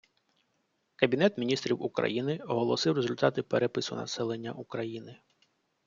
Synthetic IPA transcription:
kɐbʲinɛt̪mʲinʲist̪ɾʲiwukɾɐ̰jinɪɔɦɔlˠɔsɪwrezʊlʲt̪ɑt̪ɪpeɾɛpɪsʊnɐ̰sɛlˠe̞nʲːɐʔukɾɐjinɪ

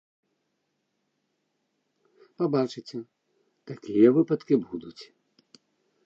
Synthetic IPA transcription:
pabat͡ʂɨt͡sʲɛ | t̪akʲijɐvɨpɐt̪kʲibud̪ut͡sʲ

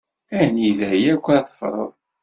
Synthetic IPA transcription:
æniðæjækʷːæθˤə̥fɾˤə̰ðˤ

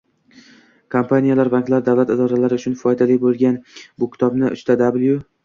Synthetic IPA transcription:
kʰompʰanijalaɾbaŋklaɾd̪avlat̪ɪd̪ɒɾalaɾɪʊt͡ʃʰʊnfɒjd̪alɪbolˠɡʲanbʊkʲʰɪ̥t̪ʰɒbnɪʔʊ̰ʃt̪ʰad̪ablˠjʊ

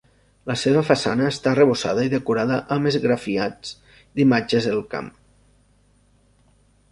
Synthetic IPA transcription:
ləseβ̞əfasanəːst̪areβ̞osa̰ðəiðekuɾaðəʔəmezɣɾafiad͡z | d̪imad͡ʒezðelˠka̰m

